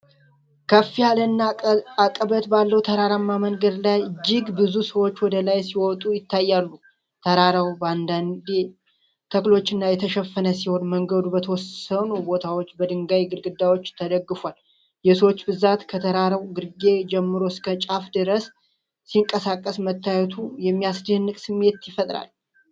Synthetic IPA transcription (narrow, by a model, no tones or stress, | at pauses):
kʰəfːijalənːaakʼəbət̪balːəwt̪ʰəɾaɾamːamənɡəd̪lajd͡ʒːɪɡbɨzusəwo̞t͡ʃːwɔd̪əlajsiwɔt̪ʼujɪt̪ʰːajːalːu | t̪ʰəɾaɾawband̪and̪e | t̪ʰəklo̞t͡ʃːɨnːajɛt̪ʰəʃɛfːənəsiho̞nməŋɡəd̪ubət̪ʰəwɔsənubo̞t̪ʰawo̞t͡ʃːbəd̪ɨŋɡajɡɨɾɡɨd̪ːawo̞t͡ʃːt̪ʰəd̪əɡːɨfʷal | jɛsəwot͡ʃːbɨzat̪kʰət̪ʰəɾaɾəwɡɨɾɡe̞d͡ʒɛmːɨɾo̞skʰət͡ʃʼafd̪ɨɾəsː | iŋkʼəsakʼːəsmət̪ʰːajɛt̪ʰujɛmːijasd̪əhɨnːɨkʼsɨmːe̞t̪jɪfət̪ʼɾa̰l